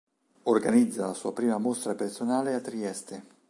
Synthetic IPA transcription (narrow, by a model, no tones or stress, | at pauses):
orɡanid̪zːalasuːapɾiːmamost̪ɾapersonaːleat̪ːɾiɛst̪e